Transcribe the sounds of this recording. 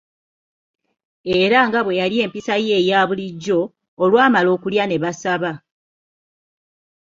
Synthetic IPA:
e̞ɾaŋɡaβwe̞jalje̞ːmpisaje̞ːjaβuliɟːo̞ː | lwaːmalo̞ːkuljane̞βasaβa

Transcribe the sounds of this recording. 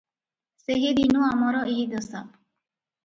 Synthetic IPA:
seɦed̪inuamɔɾɔiɦid̪ɔsa

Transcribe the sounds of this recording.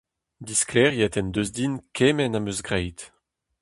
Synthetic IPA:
d̪isklɛʁjɛt̪ɛnd̪øzd̪inkʰɛmɛnamøzɡʁɛjt̪

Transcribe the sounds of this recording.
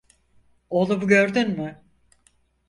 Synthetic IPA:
olˠubuɟøɾd̪ynmɪ

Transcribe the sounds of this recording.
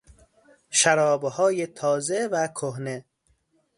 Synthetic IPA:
ʃæɾɒːbhɒːjet̪ʰɒːzevækʰoɦne

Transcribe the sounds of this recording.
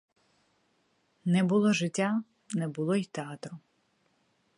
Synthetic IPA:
nɛbʊlˠɔʒɪtʲːa | nɛbʊlˠɔit̪eɑt̪ɾʊ

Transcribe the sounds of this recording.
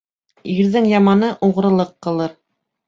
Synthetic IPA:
iɾðɘŋjɑmɑnɤʔuʁɾɤ̆lˠɤqːɤ̆lˠɤɾ

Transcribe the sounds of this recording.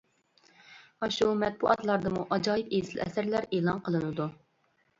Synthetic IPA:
ɑʃumɛt̪̚bṵʔɑt̪lˠɑɾd̪ɨmuʔɑd͡ʒɑːjipeslɛ̰sæɾlæɾeːlˠɑnqʰəlˠɨnɨd̪u

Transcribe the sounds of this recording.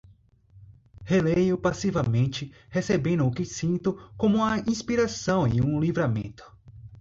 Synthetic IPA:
helejʊpasivɐmẽnt͡ʃɪ | hesebẽnd̪ʊːkɪsĩnt̪ʊkõmʊũmɐʔĩspiɾasɐ̃w̃ɪ̰ũlivɾamḛ̃nt̪ʊ̥

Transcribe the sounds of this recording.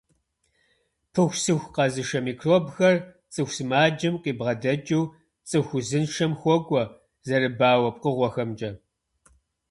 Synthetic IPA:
pʰɨxʷsɨxʷqɐzɨʃɐmiːkʰroːbxɐr | t͡sʼɨxʷsɨmaːd͡ʒɐmqʼiːbʁɐdɐd͡ʒʼiw | t͡sʼɨxʷʊzɨnʃɐmxʷɔɡʷʼɔ | zɐɾɨbaːwɐp̚ʼqəʁʷɔxɐmd͡ʒʼɐ

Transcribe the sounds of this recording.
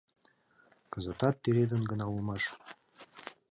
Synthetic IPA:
kɤ̆zɤ̆t̪ɑt̪ːeɾed̪ə̆nɡə̆nɑumɑʃ

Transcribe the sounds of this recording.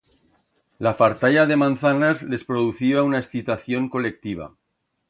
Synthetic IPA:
lafaɾt̪aʎaðe̞mãnθanazle̞spɾoðuθiaunaesθit̪aθjo̞ŋko̞le̞k̚t̪iβ̞a̰

